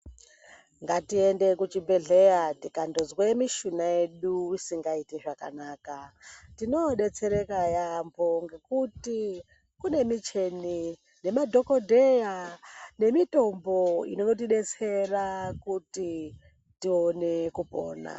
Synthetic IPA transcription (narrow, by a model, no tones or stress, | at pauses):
ŋɡatiende̞kut͡ʃibe̞ɮe̞jatikandozwemiʃunaje̞ɗuwisiŋɡaiteʐaka̰naːkatino̞ɗe̞t͡se̞ɾe̞kajambʱoŋɡe̞kuti | kune̞mit͡ʃe̞ni | ne̞madʱo̞ko̞dʱejane̞mito̞mbo̞ḭnonot̬iɗe̞t͡se̞rakuti | tione̞kupo̰ːna̰